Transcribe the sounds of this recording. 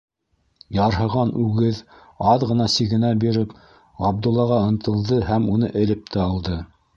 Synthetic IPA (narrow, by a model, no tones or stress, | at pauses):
jɑɾɦɤ̆ʁɑnʉɡɘð | ɑðʁɤ̆nɑsiɣɘ̆næbiɾɘp | ɑb̚d̪ulˠːɑʁɑɤ̆nt̪ɤ̆lˠd̪ɤhæmunɤʔɘ̆lɘp̚t̪ʰæɑlˠd̪ɤ